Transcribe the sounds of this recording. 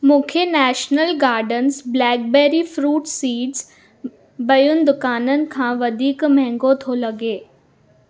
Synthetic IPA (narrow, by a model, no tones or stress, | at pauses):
mʊ̃ːkʰenɛːʃnəlɡaːɾɖənsblɛːk̚beːɾifɾuːʈsiːʈz | bɐjʊnd̪ʊkaːnənɪ̆kʰãːʋɐd̪ʱiːkmɛŋɡot̪ʰolɐɡeː